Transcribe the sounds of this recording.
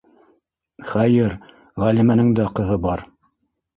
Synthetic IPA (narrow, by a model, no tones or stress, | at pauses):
χæjɘɾ | ʁælimænɘŋd̪æqɤ̆ðɤbɑɾ